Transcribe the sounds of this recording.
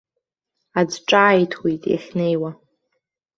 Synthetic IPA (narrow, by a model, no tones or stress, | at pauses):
ad͡zʈ͡ʂʼaːjtʰwijtʼḭχʲnejwa